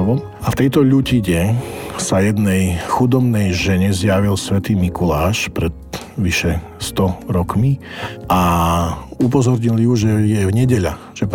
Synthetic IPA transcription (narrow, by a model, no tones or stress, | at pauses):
ʋɔ | aft̪ɛjt̪ɔʎuciɲɛsajɛd̪nɛjxud̪ɔbnɛjʒɛɲɛzjaʋilsʋɛt̪iːmikulaːʃpɾɛt̪ | ʋiʃɛ | st̪ɔɾɔkmiʔa | up̬ɔzɔɾɲiljuʒɛjɛɲɛɟɛʎa | ʒ̥ɛ